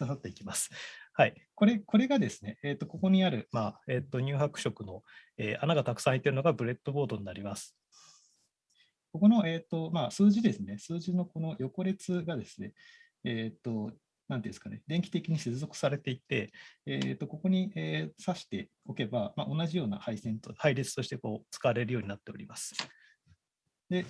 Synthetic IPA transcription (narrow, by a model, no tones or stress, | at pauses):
d̪asat̪ːe̞ikʲimasɨ̥haiko̞ɾe̞ko̞ɾe̞ɡad̪e̞sɨne̞ʔeːt̪ːoko̞ko̞ɲ̟iaɾɯ̟mae̞ːt̪ːo̞ɲ̟ʲɨːɦakɯ̟ɕo̞kɯ̟no̞eːʔanaɡat̪akɯ̥sãit̪ːe̞ɾɯ̟no̞ɡabɯ̟ɾe̞t̪ːo̞bo̞ːd̪o̞ɲ̟inaɾʲimasɨ̥ | ko̞ko̞no̞ʔe̞ːt̪ːo̞maːsɨːʑid̪e̞sɨne̞sɨːʑino̞ko̞no̞jo̞ko̞ɾe̞t͡sɨɡad̪e̞sɨ̥ne̞ | eːt̪ːo̞ | nanḭ̃ːsɨ̥kane̞d̪e̞ŋkʲi̥t̪e̞kʲiɲ̟ise̞t͡sɨzo̞kɯ̥saɾe̞t̪e̞it̪ːe̞eːt̪ːo̞ko̞ko̞ɲ̟iʔeːsaɕi̥t̪e̞ | o̞ke̞bamaʔo̞naʑijo̞ːna̰haisẽ̞nt̪ohaiɾʲit͡sɨ̥t̪o̞ɕi̥t̪e̞ko̞ːt͡sɨ̥kaβaɾe̞ɾɯ̟joːɲ̟inat̪ːe̞o̞̰ɾʲimasɨ̥ | d̪e̞